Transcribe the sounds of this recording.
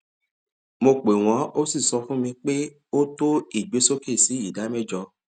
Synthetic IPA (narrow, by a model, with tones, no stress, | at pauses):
mo˧k͡pe˨w̃ɔ̃˨˦o˦si˦˨sɔ˧fũ˦mĩ˧k͡pe˦ | o˦to˦i˦˨ɡ͡be˨˦so˦ke˦˨si˨˦i˦˨da˨˦mɛ˦˨d͡ʒɔ˧